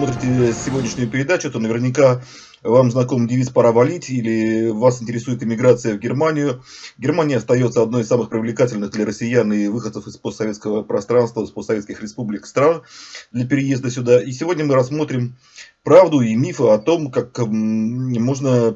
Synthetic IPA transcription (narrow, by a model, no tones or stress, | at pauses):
mo̞t̪ɾʲɪtʲɪsʲːɪvo̞dʲnʲɪʂnʲʊjʊpʲɪɾʲɪd̪at͡ɕʊt̪onəvʲɪrnʲɪka | vamznɐko̞mdʲɪvʲispɐɾavɐlʲitʲilʲɪvasɪnʲtʲɪɾʲɪsujɪt̪ɪmʲɪɡɾat̪sɨjəvɡʲɪrmanʲɪjʊ | ɡʲɪrmanʲɪjəɐst̪ɐjo̞t̪səɐd̪no̞jɪsːamɨxpɾʲɪvlʲɪkatʲɪlʲnɨɣd̪lʲəɾəsʲɪjanɨvɨxət̪səfɨspost̪ːɐvʲetskəvəpɾɐst̪ɾanst̪vəspost̪ːɐvʲet̪skʲɪxɾʲɪspublʲɪkst̪ɾand̪lʲəpʲɪɾʲɪjezd̪əsʲʊd̪aisʲɪvo̞dʲnʲəmɨɾɐsmo̞t̪ɾʲɪm | pɾavd̪ʊimʲifɨɐt̪o̞mkak | mo̞ʐnə